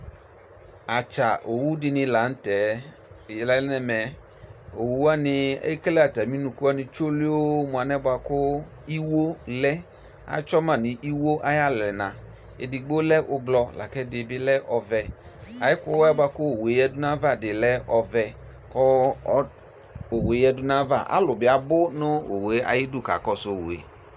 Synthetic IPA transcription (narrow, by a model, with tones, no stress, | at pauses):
a˨t͡ʃa˨ʔo˨wu˦dɪ˧nɪ̃˧la˨˦n̩˦tɛ˨ | jlɛ˨˦nɛ˦mɛ˨ | o˨wu˦a˦nɪ˧a̰˦i˦kɛ˦lɛ˦a˨ta˨mĩ˦nũ˨ku˦a˦nɪ̃˧t͡ʃo˦li˦o˦mũ˨a˨nɛ˦ba˧kʊ˦ | i˦wo˦lɛ˦ | a̰˨˦t͡ʃɔ˦mã˦˨nɪ˨ʔi˦wo˦ʔa˦ja˦lɛ˨nã˨ | ɪ̰˨dɪ˨ɡ͡bo˦lɛ˦ʔʊ˧ɡlɔ˧la̰˨kɛ˦dɪ˨bɪ˦lɛ˦ʔɔ˧vɛ˧ | a˨jɪ˦kʊ˦wɛ˦ba˧kʊ˦o˨we˨˦jɛ˦dʊ˦na˦va˦˨dɪ˨lɛ˦ɔ˧vɛ˧ | kɔ˦˨˦ | o˨we˨˦jɛ˦dʊ˦na˦va˦˨ʔa̰˦lʊ˨bɪ˨a˨bʊ˦nʊ˦o˨we˨˦a̰˨jɪ˦dʊ˦˨ka̰˨kɔ˦so˨wo̰˨ḛ˨